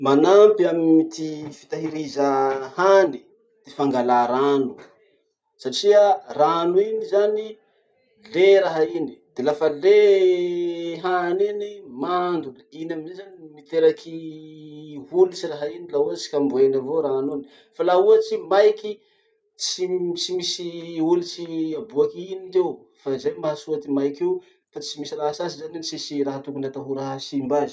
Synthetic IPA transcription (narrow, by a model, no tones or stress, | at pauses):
manampiamimit̪ifi̥t̪aɦiɾizahani | d̪̥efaŋɡalaɾanu | saʈ͡ʂiaranuinizani | leɾaɦaini̥d̪̥elafəle | ɦaninimand̪ulinaminzezanimit̪eɾakʰi | hulit͡ʃiraɦainilaɦuat͡ʃi̥kambuenavoɾaɦanoni̥ | falaɦuat͡simajki | t͡sit͡ʃimisiulit͡siabuakinit̪ew | faizajmaɦasuat̪imajkiw | fat͡simisiraɦasasizaninisisiɾaɦat̪ukunat̪aɦuɾaɦasimbazi̥